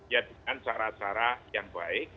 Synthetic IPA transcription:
jad̥əŋant͡ʃaɾat͡ʃaɾajaŋb̥aɪk̚

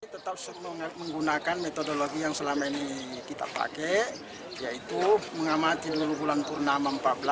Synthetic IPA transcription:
it̪ət̪ap̚sutmŋməŋɡunakanmɛt̪odoloɡijaŋsəlamainikit̪a̰pa̰kɛ | jait̪uməŋamat̪idulubulanpurnamampat̪̚bəla

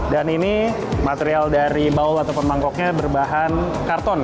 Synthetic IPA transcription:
danini | mat̪eɾialdaɾibaulat̪awpʊnmaŋkɔk̚ɲabərbaɦan | kart̪ɔn

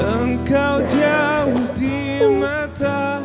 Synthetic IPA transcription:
əŋ̩kawd͡ʒaudimata

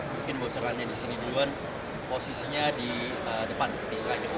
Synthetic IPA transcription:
muŋkɪnbot͡ʃɔɾanɲadisiniduluan | posisiɲadi | ədəpanpist̪ɾaɲa

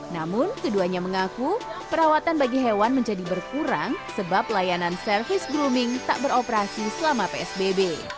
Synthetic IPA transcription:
namʊnkəduaɲaməŋakupəɾawat̪anbaɡiɦewanməɲd͡ʒadibərkuɾaŋsəbaplajanansərfɪsɡɾumɪŋt̪a̰ʔbəɾopəɾasisəlamapeɛsbebe

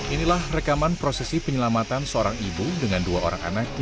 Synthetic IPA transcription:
ʔinilahrəkamanpɾosɛsipəɲəlamat̪ansəoɾaŋibudəŋanduaoɾa̰ŋa̰nak̚

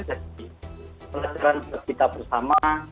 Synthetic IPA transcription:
d͡ʒadipəlad͡ʒaɾanpərkit̪abərsama

